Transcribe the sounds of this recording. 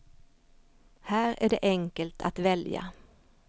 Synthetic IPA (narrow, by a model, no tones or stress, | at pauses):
hæːɾæ̰ɖɛːʔɛŋkəlt̪ʰat̪ʋɛlja̰